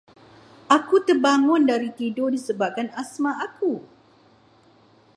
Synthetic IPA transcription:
ʔakut̪ərbaŋʊndaɾit̪idodisəbap̚kanasmaʔaku

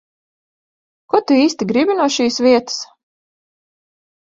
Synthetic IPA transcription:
kut̪uiːst̪iɡɾibʲinuɔʃiːsvʲiɛt̪ɨ̥s

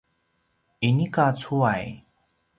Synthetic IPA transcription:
inikat͡sʰuaj

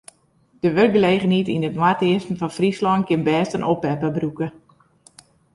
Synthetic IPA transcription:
d̥əʋør̚ɡəleːχənitinətmwateɪsm̩fɔnfrislɔŋkɪnbɛːstənʔopɛpəbrukə

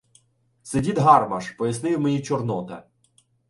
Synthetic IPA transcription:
sedʲid̪ɦɑrmɐʃpɔjɐsnɪwmenʲit͡ʃɔrnɔt̪ɐ̰

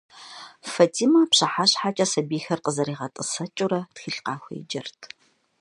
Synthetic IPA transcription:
fɐtʰiːmɐpɕɐħaɕħaːt͡ʃʼɐsɐbiːxɐrqəzɐɾiːʁɐtʼɨsɐt͡ʃʼʊɾɐtxiːɬqɑːxʷɐ̰jɪ̰d͡ʒɐrtʰ

